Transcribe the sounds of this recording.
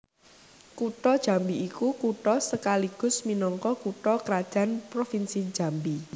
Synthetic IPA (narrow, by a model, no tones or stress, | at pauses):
kuʈɔd̥ʒ̥a̤mbiːkukuʈɔsəkaliɡ̥ʊ̤sminɔŋkɔkuʈɔkəɾad̥ʒ̥a̤npɾofinsi̥d͡ʒ̥a̤mbi